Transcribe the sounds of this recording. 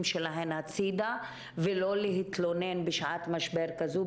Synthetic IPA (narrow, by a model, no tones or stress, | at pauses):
mʃelaɦenhat͡sid̪a | velo̞leɦit̪lonenbeʃʕat̪maʃbeʁkazu